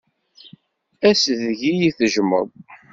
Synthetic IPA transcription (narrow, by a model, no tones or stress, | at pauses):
æsðʝijiθəʒmə̰ðˤ